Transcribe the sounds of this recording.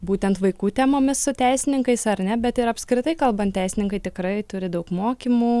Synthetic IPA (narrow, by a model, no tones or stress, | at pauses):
buːt̪ʲɛnt̪ʋɐɪkuːt̪ʲɛmoːmʲɪssʊt̪ʲæɪsʲɪnʲɪŋkɐɪsɐɾʲnʲɛbʲɛt̪ɪɾɐpskɾʲɪt̪ɐɪkɐlˠbɐnt̪tʲɛɪsʲɪnʲɪŋkɐɪt̪ʲɪkɾɐɪt̪ʊɾʲɪd̪ɐʊkmoːkʲiːmuː